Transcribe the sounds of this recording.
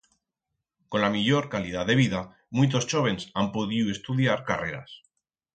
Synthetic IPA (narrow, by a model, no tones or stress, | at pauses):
ko̞nlamiʎo̞ɾkaliðaðe̞β̞iða | mũjt̪̬o̞st͡ʃo̞β̞e̞nsampoðiue̞st̪uðjaɾka̰re̞ɾa̰s